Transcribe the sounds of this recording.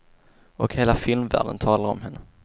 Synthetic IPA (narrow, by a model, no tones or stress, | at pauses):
ʔɔkheːlafɪlmvæ̰ːɖə̰nt̪ʰɑːlaɾɔ̰mhɛnːə